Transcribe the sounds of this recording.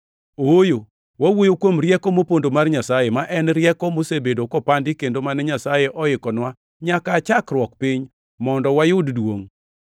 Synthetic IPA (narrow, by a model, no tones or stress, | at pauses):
ojo | wawojokwomrjɛkɔmopondomarɲasajemaʔɛnɾjɛkɔmosebedokopandɪkendomanɛɲasajeʔɔɪkɔnwa | ɲakat͡ʃakrwɔkpɪɲ | mɔndɔwajʊddwo̰ŋ